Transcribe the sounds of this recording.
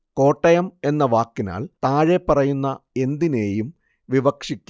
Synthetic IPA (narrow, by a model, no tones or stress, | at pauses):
ko̞ːʈːɐjɐme̞nːɐʋaːkːina̰ːɭt̪aːɻe̞pːɐrɐjunːɐe̞nd̪ine̞ːjum | ʋiʋɐkʂikʲːu